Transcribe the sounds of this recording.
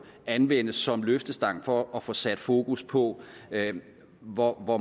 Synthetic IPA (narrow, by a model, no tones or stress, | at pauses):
ænʋen̰əsːɒ̽mløfd̥əsd̥ɑ̈ŋ̰fɒ̽ːfɒ̽sæd̥fo̝ːkuspʰɒ̽ | ʋɒʋɒ